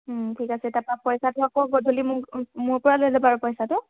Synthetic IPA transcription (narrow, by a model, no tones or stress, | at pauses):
tʰikasɛtapapɔjsatʊakɔɡɔdʱulimʊmʊɹpɔɹalozɔpaɹʊpɔjsatʊ